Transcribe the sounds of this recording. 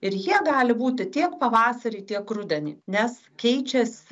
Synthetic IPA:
ɪɾjiɛɡɑːlʲɪbuːt̪ʲɪt̪ʲiɛkpɐʋɑːsɐɾʲɪt̪ʲiɛkrʊd̪ʲɛnʲḭːnʲɛs | kʲɛɪt͡ʃʲɛsʲ

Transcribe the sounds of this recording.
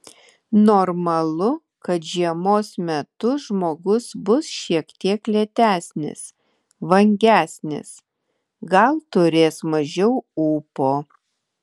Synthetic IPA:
noːɾmɐlˠʊ | kɐt̪ʒʲiɛmoːsmʲɛt̪ʊʒmoːɡʊsbʊsʃʲiɛkt̪ʲiɛklʲɛt̪ʲæːsʲnʲɪ̰s | ʋɐŋʲɡʲæːsʲnʲɪ̰s | ɡɐlˠt̪ʊɾʲeːsmɐʒʲɛʊuːpoː

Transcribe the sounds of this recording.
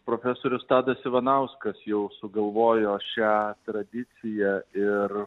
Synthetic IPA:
pɾoːfʲæːsoːɾʲʊst̪ɑːd̪ɐsɪʋɐnɐʊskɐsjɛʊsʊɡɐlˠʋoːjoːʃʲæːt̪ɾɐd̪ʲɪt̪sʲɪjæɪr

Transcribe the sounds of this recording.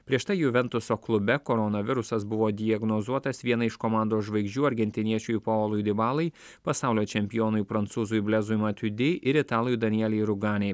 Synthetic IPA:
pʲɾʲiɛʃt̪ɐɪjuːʋʲɛnt̪ʊsoːklˠʊbʲɛkoːɾɔnɐʋʲɪɾʊsɐs̬bʊʋoːd̪ʲɪjɐɡnozuɔt̪ɐsʋʲiɛnɐɪʃkɔmɑˑnd̪oːsʒʋɐɪɡʒʲd͡ʒʲuːɐɾʲɡʲɛnʲt̪ʲɪnʲiɛt͡ʃʲupooːlˠʊjd̪ʲɪbɑːlˠɐɪ | pɐsɑˑʊlʲoːt͡ʃʲɛmʲpʲɪjoːnʊjpɾɐnt̪suːzujbʲlʲɛzʊjmɐt̪ʲʊd̪ʲɪʔɪɾɪt̪ɑːlˠʲjud̪ɐnʲɪjɛlʲɛɪɾʊɡɑːnʲej

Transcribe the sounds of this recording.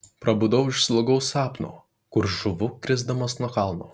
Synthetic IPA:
pɾɐbʊd̪ɐʊɪʃslˠoɡɐʊsɑːpno̰ː | kʊɾʒʊʋʊkɾʲɪzd̪ɐmɐsnuɔkɑˑlˠno̰ː

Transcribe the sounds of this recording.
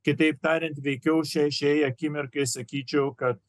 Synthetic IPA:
kʲɪt̪ɐɪpt̪ɑːɾʲɛnt̪ʋʲɛɪkʲɛʊʃʲɛʃʲɛjɐkʲiːmʲɪɾkɐɪsɐkʲiːt͡ʃʲɛʊkɐt̪

